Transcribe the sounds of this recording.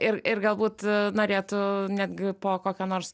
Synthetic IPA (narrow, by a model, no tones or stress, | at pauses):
ɪrɪrɡɐlˠbuːt̪noːɾʲeːt̪ʊnʲæːd̪ʲɡʲɪpoːkoːkʲoːnoːrs